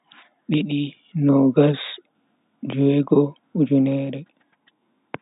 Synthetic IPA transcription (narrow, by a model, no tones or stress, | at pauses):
ɓiɗi | nɔɡas | d͡ʒuɛɡɔ | ud͡ʒunɛːɾɛ